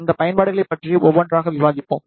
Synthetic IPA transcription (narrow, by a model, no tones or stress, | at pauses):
nd̪ɐpɐjɐnbaːɽɯɣɐɭɐɪpːɐʈriʔɔʋːɐɳdraːɣɐʋɪʋaːðɪpːo̰ːm